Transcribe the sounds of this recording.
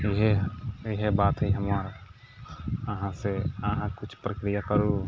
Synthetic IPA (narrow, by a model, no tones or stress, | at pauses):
ɪɦeɪɦebaːt̪ɦiɦəmaɾ | əɦãseəɦãkʊt͡ʃʰpɾəkɾijakəɾu